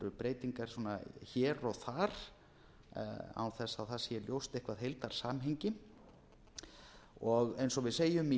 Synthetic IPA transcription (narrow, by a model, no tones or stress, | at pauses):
ɾʏpɾeːjt̪iŋkaɾ̥swɔːnaçɛːɾɔɣθaɾ̥ | a̰wθɛsːaðθasjɛljowst̪ɪhkvaðɦejlt̪aɾ̥saːmɦeɲcɪ | ɔɣejnsɔvɪðseːjʏmi